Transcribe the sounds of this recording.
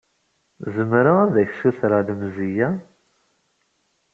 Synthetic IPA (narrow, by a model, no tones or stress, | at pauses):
zəmɾaaðæçsuθɾaðmzijæ